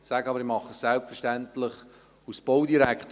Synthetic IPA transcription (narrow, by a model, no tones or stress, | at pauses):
sæːɡəɑbəɾɪmɑχːəssɛlpfəɾʃtæntlɪχ | usb̥owdiɾækχt